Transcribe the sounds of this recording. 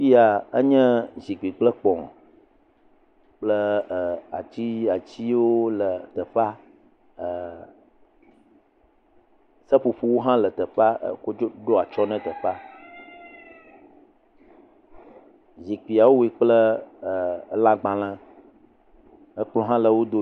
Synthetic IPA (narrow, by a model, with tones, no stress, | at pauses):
fi˦a˨ə˦ɲɛ̃˦zi˨k͡pi˨k͡plə˦k͡pɔ̃˨ | k͡plə˦˨a˨t͡ɕi˦a˨t͡ɕi˦wo˦lə˨t̪ə˨fa˦˨ | sə˦ɸu˨ɸu˦wo˦ɦã˦lə˨t̪ə˨fa̰˦˨ko˦o˦ɖo˦a˨t͡ʃɔ˦nɛ̃˦t̪ə˨fa˦ | zi˨k͡pi˨a˨wo˦wi˦k͡plə˦˨˦ | lã˦ɡ͡bã˨lã˦ | ə˦k͡plɔ̃˦ɦã˦lə˨wo˦d̪o˦